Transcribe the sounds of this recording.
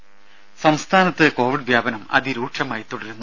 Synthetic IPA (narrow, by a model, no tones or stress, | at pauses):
sɐmst̪ʰaːnɐt̪ːɨko̞ːʋiɖʋjaːbɐnɐmɐ̰ðiɾuːʈʂɐmaːjit̪ːuɽɐɾunːu